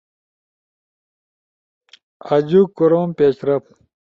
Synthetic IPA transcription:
ɐd͡ʑukoɾoːmpeːt͡ɕɾɐp̚

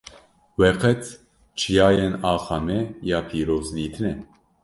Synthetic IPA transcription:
wɛqɛt̪ | t͡ʃʰijaːjenɑːxɑmɛjaːpʰiːɾoːzniːt̪ʰɨnɛ

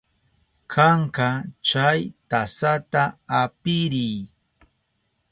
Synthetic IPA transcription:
kʰaɴkɑt͡ʃajt̪asat̪aapɪɾɪj

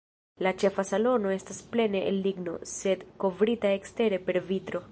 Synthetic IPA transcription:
lat͡ʃe̞fasalo̞no̞e̞stasple̞ne̞ʔḛlːiɡno̞̰se̞dko̞vɾitae̞kste̞ɾe̞pe̞ɾvitɾo̞

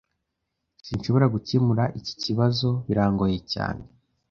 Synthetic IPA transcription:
sinʃo̞βo̞ɾaɡucemuɾaʔici̥ciβazo̞βiɾaːŋɡo̞jeca̰ːne

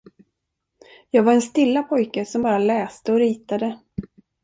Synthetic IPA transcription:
jɑːɡvaɾɛnst̪ɪlːapʰɔjkəsɔmbɑːɾalɛːst̪əɔɾiːt̪ad̪ə

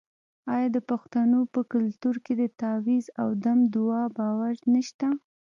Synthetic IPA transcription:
ɑjɑd̪əpaxt̪anopəkʊlt̪uɾked̪ət̪awizawd̪amd̪ʊɑbɑwaɾnəʃt̪a

